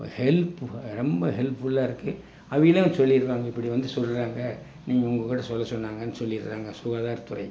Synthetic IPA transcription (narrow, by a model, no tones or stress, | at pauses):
hɛlpɾɛmbɐɦɛlpːʊlːaːɪɾɯkːɯ | ɐʋɐjɪlɐsɔlːɪɾɯʋaːŋɡɐɪpːɐɽiʋɐnd̪ɯsɔlːɾaːŋɡɐ | niːŋɡɐʊŋɡokːɪʈːɐsɔlːɐsɔnːaːŋɡɐnːɯsɔlːɪɾɯka̰ːŋɡɐsʊɣaːðaːɾt̪ʊɾɐɪ